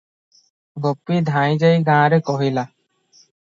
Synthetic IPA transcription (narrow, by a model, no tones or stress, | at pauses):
ɡopːid̪ʱãj̃d͡ʒajɡãːɾekɔɦila